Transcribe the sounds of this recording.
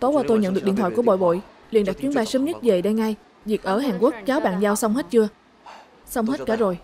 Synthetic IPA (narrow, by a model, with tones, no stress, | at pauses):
t̪o˨˦waː˧t̪o˧jɲə̰˧˨nɗɨ˨˩k̚ɗi˧˨ənt̪wa̰ː˧˨jku˧˩ɓo̰˧˨jɓo̰˧˨j | lḭ˧˨ənɗa˨˩k̚t͡ɕwi˨˦ənɓaː˧jsəː˨˧˦mɲə˦˥t̚ve˨˩ɗa˧jŋa˧j | zi˨˩k̚ʔəː˧˩ɦaː˨˩ŋku˦˥ək̚t͡ɕaː˨˦wɓa̰ː˧˨nzaː˧wsa˧wŋ͡mɦe˦˥t̚t͡ɕɨ˧ə | sa˧wŋ͡mɦe˦˥t̚kaː˧˩zo˨˩j